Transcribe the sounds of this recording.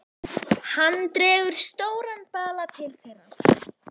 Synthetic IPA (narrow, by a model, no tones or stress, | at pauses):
hanːt̪ɾɛːvʏɾ̥st̪oːwɾanpaːlat̪ʰɪlθejɾḁ